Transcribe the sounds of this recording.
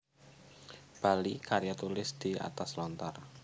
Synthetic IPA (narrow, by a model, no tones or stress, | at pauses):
b̥a̤likaɾiat̪ulɪsd̪̥ia̰t̪aslɔnt̪ar